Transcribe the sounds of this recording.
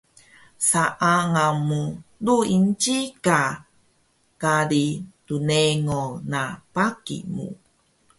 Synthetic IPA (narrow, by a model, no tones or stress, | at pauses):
saʔaŋamuduint͡ʃika | kaɾituneŋonapakḭmṵ